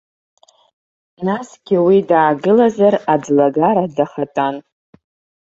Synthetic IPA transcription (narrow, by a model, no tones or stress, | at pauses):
nasɡʲiwidaːɡɨlazarad͡zlaɡaɾadaχatʼan